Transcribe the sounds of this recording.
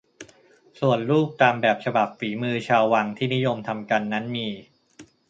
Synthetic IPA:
su˨˩ənluː˥˩k̚t̪aː˧mbɛː˨˩p̚t͡ɕʰa˧ba˨˩p̚fiː˩˦mɯː˧t͡ɕʰaː˧wːa˧ŋt̪ʰiː˥˩ni˦˥jo˧mt̪ʰa˧mka˧nːa˦˥nmiː˧

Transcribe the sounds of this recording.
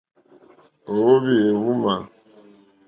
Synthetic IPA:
o˨wo˦βi˨e˨wu˦ma˨

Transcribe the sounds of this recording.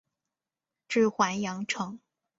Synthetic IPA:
ʈ͡ʂɻ̩˥˩xwa˧˥njɑ˧˥ŋʈ͡ʂʰɤ˧˥˦ŋ

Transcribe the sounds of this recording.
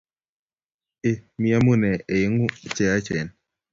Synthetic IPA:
e˨mi˦a˦mu˦˨nɛ˨e˨ɪ˨˦ŋu˦˨t͡ʃɛ˨a˦t͡ʃɛ˨n

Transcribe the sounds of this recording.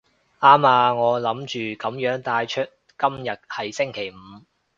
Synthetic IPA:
aː˥maː˧ŋɔː˨˧lɐ˨˥mt͡ʃyː˨kɐ˨˥mjœː˨˥ŋt̪aː˧jt͡ʃʰɵ˥t̚ | kɐ˥mjɐ˨t̚hɐ˨˩jsɪ˥ŋkʰe˨˩jm̩ː˨˧

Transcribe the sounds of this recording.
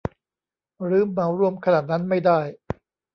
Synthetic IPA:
ɾɯː˦˥mːa˩˦wɾu˥˩əmkʰa˧naː˨˩t̪̚na˦˥nma˥˩jdaː˥˩j

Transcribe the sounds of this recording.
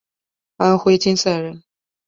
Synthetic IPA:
xa˧˥nxwe˧˥ɪt͡ɕi˥nsa˥˩ɻə˧˥˦n

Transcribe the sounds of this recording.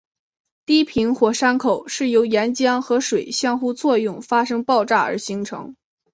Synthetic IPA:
t̪i˥pʰi˧˥nxwɔ˨˩ʂa˥nkʰo˨˩ʊʂɻ̩˥˩jo˧˥ʊjɛ˧˥nt͡ɕjɑ˥ŋxɤ˧˥ʂwe˨˩ɪɕjɑ˥˧ŋxu˥t͡swɔ˥˧jʊ˥˩ŋfa˥ʂɤ˥ŋpɑ˥˧ʊʈ͡ʂa˥˩ə̰˞˧˥ɕi˧˥ŋʈ͡ʂʰɤ̰˧˥ŋ

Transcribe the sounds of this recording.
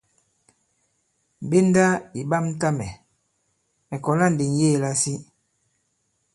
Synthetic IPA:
be˦n˦da˦i˨ba˦m̩˦ta˦mɛ˨ | mɛ˨kɔ˨la˦n̩˨de˨n˦jeː˦˨la˦si˦

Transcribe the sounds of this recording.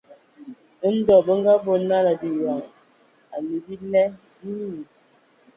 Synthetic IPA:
n̩˦dɔ˨bə˦ŋ˦ɡa˦bo˦na˦la˨di˨wa˨ŋ | a˨li˨bi˦lɛ˦ | i˦ni˦˨

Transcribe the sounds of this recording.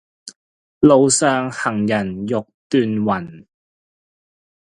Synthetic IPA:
lo˨˧wsœː˨ŋhɐ˨˩ŋjɐ˨˩njʊ˨k̚t̪yː˨˧nwɐ˨˩n

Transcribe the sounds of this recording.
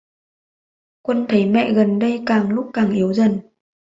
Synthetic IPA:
kwə˧nt̪ʰə˨˦jmɛ̰˧˨ɣə˨˩nɗə˧jkaː˨˩ŋlʊ˦˥k͡p̚kːaː˨˩ŋʔi˨˦əwzə˨˩n

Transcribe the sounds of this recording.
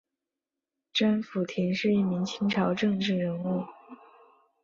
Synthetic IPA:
ʈ͡ʂa˥nfu˨˩t̪ʰi˧˥ŋʂɻ̩˥˧i˥˩mi˧˥ŋt͡ɕʰi˥ŋʈ͡ʂʰɑ˧˥ʊʈ͡ʂɤ˥˧ŋʈ͡ʂɻ̩˥˩ɻə˧˥nu˥˩

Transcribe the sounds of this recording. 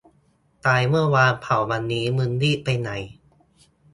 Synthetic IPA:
t̪aː˧jmɯ˥˩ɐwaː˧npʰa˨˩˦wwa˧nːiː˦˥mɯ˧ndiː˥˩pa˧jna˨˩˦j

